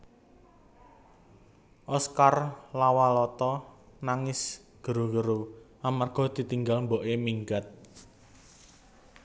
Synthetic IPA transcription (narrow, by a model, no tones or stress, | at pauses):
ʔɔskarlawalɔt̪ɔnaŋɪs | ɡ̥əɾuɡəɾuʔamarɡ̥ɔ̤d̪̥i̤t̪iŋɡalmboʔemiŋɡat̪̚